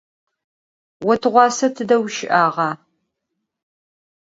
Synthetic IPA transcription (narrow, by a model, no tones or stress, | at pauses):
wɔtʰɨʁʷɑːsɐtʰɨdɐwʃɪʔaːʁɑː